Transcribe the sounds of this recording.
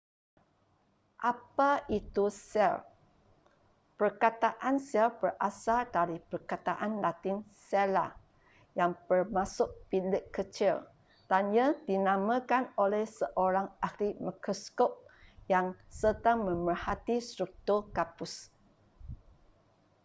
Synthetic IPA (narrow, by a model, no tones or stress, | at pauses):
ʔapait̪usɛ̰l | pərkat̪aʔansɛlbərʔasadaɾipərkat̪aʔanlat̪ɪnsɛla̰ | jaŋbərmãsʊʔ̚pilɪkːət͡ʃil | d̥anjãdinãmãkanolɛhsəʔoɾaŋahlimakoskop̚jaŋsətaŋmə̃mbərhat̪ist̪ɾuk̚t̪urkapʊs